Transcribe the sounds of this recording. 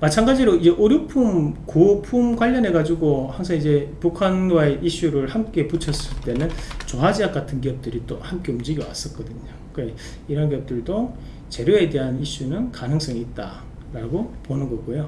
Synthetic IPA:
mat͡ɕʰaŋɡad͡ʑiɾoid͡ʑe̞ʔoɾjopʰumkopʰumɡwaʎːʌnɦe̞ɡad͡ʑuɡohaŋsʰaŋid͡ʑe̞pukʰanwaeʔiɕ͈uɾɯɭhamk͈e̞put͡ɕʰʌs͈ɯɭt͈e̞nɯnt͡ɕoɦad͡ʑiak͈atʰɯnk̬iʌp̚t͈ɯɾit͈ohamk͈e̞umd͡ʑiɡiwa̰s͈ʌt̚k͈ʌdɯɲo | ke | iɾʌnk̬iʌp̚t͈ɯɭdo | t͡ɕe̞ɾjoe̞de̞ɦaniɕ͈unɯnkanɯŋs͈ʌŋiːt̚t͈a̰ | ɾaɡoponɯnɡʌɡojo

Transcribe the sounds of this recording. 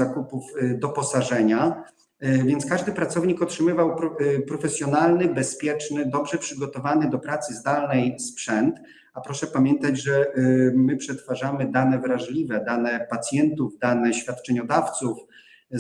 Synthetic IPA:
akupuvd̪ɔpɔsaʐɛɲa | vʲjɛnt̪skaʐd̪ɘpɾat̪sɔvɲikɔtʂɘmɘvawpɔpɾɔfɛsʲjɔnalnɘbɛspʲjɛt͡ʂnɘd̪ɔbʐɛpʂɘɡɔt̪ɔvanɘd̪ɔpɾat̪sɘzd̪alnɛjspʂɛnt̪ | apɾɔʂɛpamjɛnt̪ad͡ʑʐɛmɘpʂɛt̪faʐamɘd̪anɛvɾaʐlʲivɛd̪anɛpat̪sʲjɛnt̪uvd̪anɛɕfʲjat̪t͡ʂɛɲɔd̪aft̪suf

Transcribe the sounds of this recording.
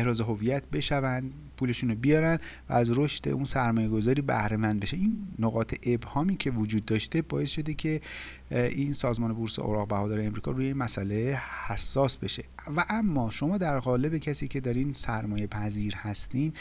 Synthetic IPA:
ehɾɒːzeɦo̞viːjæt̪ʰbe̞ʃævænd̪ | pʰuːle̞ʃuːnobijɒːɾænd̪væ̰æzɾo̞ʃt̪e̞̰ʔunsæɾmɒːje̞ɡo̞zɒːɾiːbæ̰hɾe̞mænd̪be̞ʃeʔiːnːoɣɒːt̪ʰe̞ʔebhɒːmiːcʰe̞vod͡ʒuːd̪̚ːɒːʃt̪e̞bɒːje̞sʃo̞d̪e̞cʰe̞ | ʔinsɒːzmɒːne̞boɾsḛʔo̰ɾɒːɣbæhɒːd̪ɒːɾeemɾiːkʰɒ̰ːɾuːjeimæsʔælehæsːɒːsbe̞ʃe̞væʔæmːɒːʃo̞mɒːd̪æɾɣɒːle̞be̞cʰæsiːcʰe̞d̪ɒːɾinsæɾmɒːje̞pʰæziːɾhæst̪iːn

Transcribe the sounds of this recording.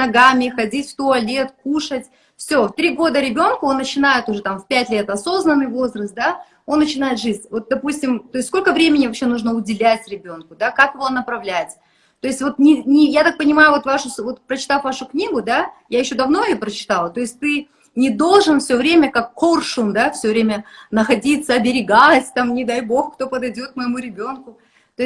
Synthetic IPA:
nɐɡamʲɪxɐdʲitʲft̪ʊɐlʲe̞t̪kuʂətʲ | fsʲo̞ft̪ɾʲiɡo̞d̪əɾʲɪbʲo̞nkʊo̞nːət͡ɕɪnajɪt̪ʊʐɛt̪amfpʲætʲlʲe̞t̪ɐso̞znənːɨjvo̞zrəst̪̚d̪a | o̞nːət͡ɕɪnajɪt̪ʐɨzʲnʲvo̞t̪̚d̪ɐpusʲtʲɪmt̪o̞ɪst̪ʲsko̞lʲkəvɾʲemʲɪnʲɪvɐpɕːenuʐnəʊdʲɪlʲætʲɾʲɪbʲo̞nkʊd̪akakɨvo̞nəpɾɐvlʲætʲ | t̪o̞jɪsʲtʲvo̞t̪nʲɪnʲɪjat̪ak̚pənʲɪmajʊvo̞t̪vaʂʊsvo̞t̪pɾət͡ɕɪ̥t̪afvaʂʊknʲiɡʊd̪ajajɪɕːo̞d̪ɐvno̞ɪjopɾət͡ɕɪ̥t̪alˠət̪o̞ɪsʲtʲt̪ɨ | nʲɪd̪o̞lˠʐɨnfsʲovɾʲemʲəkakːorʂʊmd̪afsʲɵvɾʲemʲənəxɐdʲit̪səɐbʲɪɾʲɪɡatʲt̪amnʲɪd̪ajbo̞xkt̪o̞pəd̪ɐjdʲo̞t̪̚məjɪmuɾʲɪbʲo̞nkʊ | t̪o

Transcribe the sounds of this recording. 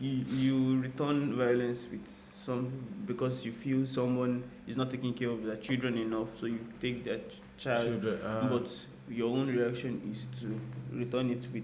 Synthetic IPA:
jjuɹitɜ̃nvajɔlɛ̃nswið̥ | sɔ̃mbikɔsjufilsʌ̃mwɔ̃n | iznɔtʰːekɪ̃ŋkɛɹɔvðət͡ʃilˠdɹɛ̃ninʌfsojutek̚də | t͡ʃaɪldɛ̃bʌt | jɔõnɹiakʃɔ̃nistʰuɹitɜ̃nitwi

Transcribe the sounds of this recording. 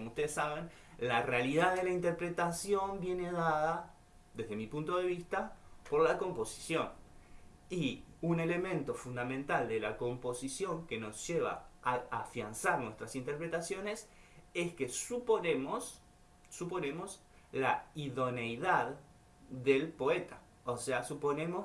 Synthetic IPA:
komoust̪e̞ðesaβe̞n | larealiðaððe̞laint̪eɾpɾe̞t̪asjo̞mbje̞ne̞ðaða | ðe̞zðemipunt̪o̞ðe̞βist̪apo̞ɾlako̞mpo̞si̥sjo̞n | iune̞le̞mẽ̞nt̪o̞fund̪amẽnt̪ald̪e̞lako̞mpo̞sisjo̞ŋke̞no̞zʒeβ̞a̰aafjansaɾnwe̞st̪ɾasint̪eɾpɾet̪asjo̞ne̞s | e̞ske̞suponemosː | upo̞ne̞mo̞s | laiðo̞nejðað | ðelpo̞e̞t̪ḁ | oseasupo̞nẽ̞mo̞

